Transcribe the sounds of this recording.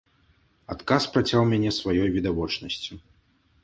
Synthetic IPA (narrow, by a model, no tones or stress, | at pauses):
at̪kaspɾat͡sʲawmʲanʲɛsvajɔjvʲid̪avɔt͡ʂnɐsʲt͡sʲi